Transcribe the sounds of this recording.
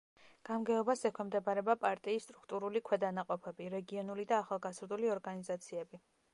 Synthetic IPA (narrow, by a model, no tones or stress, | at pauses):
ɡ̥amɡɛɔbasɛkʰwɛmd̪ɛbaɾɛbapʼaɾt̪ʼiːsːt̪ʼɾukʰt̪ʼuɾulikʰwɛd̪anaqʼɔpʰɛbiɾɛɡiɔnulid̪aːχalˠɡazɾd̪uliɔɾɡanizat̪sʰiɛbi